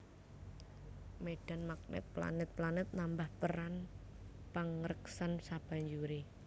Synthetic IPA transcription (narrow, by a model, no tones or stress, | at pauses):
meɖ̥a̤nmak̚nɛ̰t̪̚pla̰nɪt̪̚planɪt̪̚nambahpəɾan | paŋɾəksansab̥a̤ɲd͡ʒuɾe